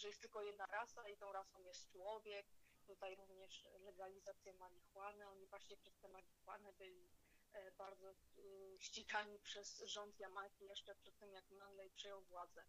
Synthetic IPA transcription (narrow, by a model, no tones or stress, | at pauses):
ʐɛjɛst̪ɘlkɔjɛd̪naɾasait̪ɔ̃w̃ɾasɔ̃w̃jɛst̪t͡ʂwɔvʲjɛk̚t̪ut̪ajɾuvɲɛʂlɛɡalʲizat̪sʲjɛmalʲixwanɛɔɲivwaɕɲɛpʂɛst̪ɛmalʲixwa̰nɛbɘlʲibaɾd̪zɔɕt͡ɕiɡaɲipʂɛsʐɔnt̪jamaɾkʲijɛʂt͡ʂɛpʂɛt̪ːɘmjakmand̪lɛjpʂɛjɔ̃w̃vwad̪zɛ